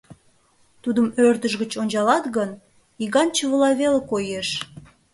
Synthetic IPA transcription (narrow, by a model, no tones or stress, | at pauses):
t̪ud̪əmørd̪əʒɣət͡ɕonʲd͡ʑɑlɑt̪ɣən | iɣɑnt͡ɕəβəlɑβelekojeʃ